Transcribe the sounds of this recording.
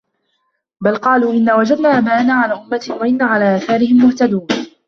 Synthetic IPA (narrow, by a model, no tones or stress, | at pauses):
balqɑːluːʔɪnːaːwad͡ʒad̪naːʔamaːʔnaʕalaːʔʊmːat̪ɪwaʔɪnːaːʕalaːʔaːθaːɾɪhɪmːʊht̪ad̪uːn